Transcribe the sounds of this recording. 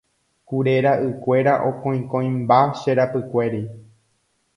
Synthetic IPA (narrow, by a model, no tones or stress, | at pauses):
kuɾe̞ɾaʔɨkʷe̞ɾaʔo̞kõj̃kõj̃mbaʃeɾapɨkʷe̞ɾi